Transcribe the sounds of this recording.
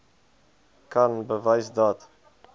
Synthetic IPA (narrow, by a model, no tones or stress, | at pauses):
kʰanbəvajsd̪at̪